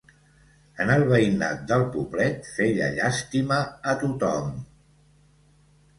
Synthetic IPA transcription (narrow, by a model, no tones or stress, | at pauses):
ənəlˠβ̞əina̰t̪̚d̪əlˠpuβlɛt̪feʎə̰ʎast̪iməːt̪ut̪ɔm